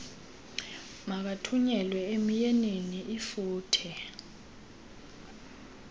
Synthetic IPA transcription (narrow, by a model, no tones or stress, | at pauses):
mak̬atʰuɲɛlwɛemijɛneniʔifuːtʰɛ